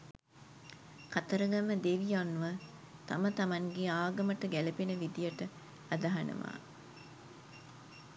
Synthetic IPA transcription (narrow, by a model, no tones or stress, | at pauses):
kat̪ɐɾəŋɡɐməd̪eʋijanːuʋɐ | t̪ɐmət̪ɐmɐŋɡeaːɡɐməʈəɡælɐpenəʋid̪ijɐʈə | ɐd̪ɐɦɐnɐ̰ʋa̰ː